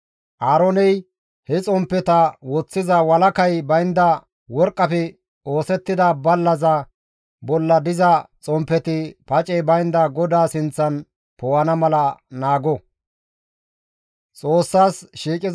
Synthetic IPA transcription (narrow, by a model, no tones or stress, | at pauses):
ʔaːɾɔnɛj | hɛt͡sʼɔmpːɛt̪ɐwɔt͡sːɪzɐwɐlɐkɐjbɐjnd̪ɐ | wɔɾkʼːɐpɛ | oːsɛt̪ːɪd̪abɐlːɐzɐ | bɔlːɐd̪ɪzɐt͡sʼɔmpːɛt̪ɪpɐt͡ʃʼɛjbɐjnd̪ɐɡɔd̪aːsɪnt͡sːɐn | pɔwɐnɐmɐlɐnaːɡɔ | t͡sʼo̞ːsːaːsʃiːkʼɪz